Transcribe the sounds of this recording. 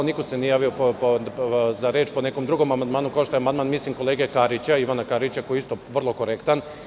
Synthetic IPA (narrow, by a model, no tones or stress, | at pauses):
nikosenijaːʋiopozaɾe̞ːt͡ʃpo̞nekomd̪ɾuɡo̞mamand̪maːnukao̞ʃt̪ojamand̪maːnmislimko̞leːɡekaɾit͡ɕaiʋanakaɾit͡ɕakojeist̪oʋr̩lˠo̞ko̞ɾekt̪an